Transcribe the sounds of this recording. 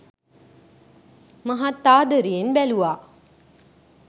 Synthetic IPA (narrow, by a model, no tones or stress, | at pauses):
maɦat̪ːaːd̪əɾijenbæluʋaː